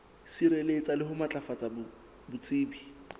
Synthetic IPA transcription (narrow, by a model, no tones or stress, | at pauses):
siɾɛlet͡sʼalɪɦʊmat͡ɬʼafat͡sʼabʊ | bʊt͡sʼɪːbi